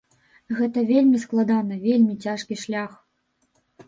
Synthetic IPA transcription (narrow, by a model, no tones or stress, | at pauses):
ɣɛt̪ɐvʲelʲmʲisklˠad̪anɐvʲelʲmʲit͡sʲaʂkʲiʂlʲax